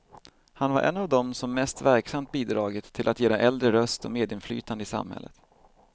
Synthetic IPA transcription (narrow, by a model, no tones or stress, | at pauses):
hanva̰ɾʔɛ̰nːavd̪ɔmsɔmːɛst̪væɾksamt̪̚biːd̪ɾɑːɡɪt̪ʰːɪlʔat̪jeːd̪ɛʔɛld̪ɾəɾœst̪ɔ̰meːd̪ɪnfly̰ːt̪and̪əɪsa̰mhɛ̰lːət̪